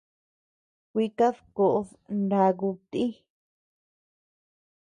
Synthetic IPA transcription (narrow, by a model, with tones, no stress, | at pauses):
kʷi˧ka˦ðko˨ʔo˧ð | nda˧ɣu˧t̪i˦